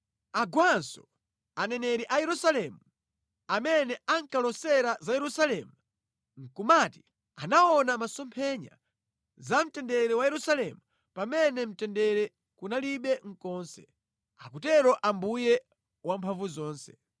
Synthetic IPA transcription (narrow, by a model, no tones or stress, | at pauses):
aɡwansɔ̰ | anɛnɛɾiʔajɛɾusalɛmu | amɛnɛaŋkalɔsɛɾazajɛɾusalɛmu | ŋ̩kumati̥ | anaɔnamasɔmpʰɛɲa̰ | zam̩tɛndɛɾɛwajɛɾusalɛmu | pamɛnɛm̩tɛndɛɾɛ | kunaliɓɛŋ̩kɔːnsɛ̰ | akutɛɾɔʔambujɛ | wampʰaɱvuzɔːnsɛ̥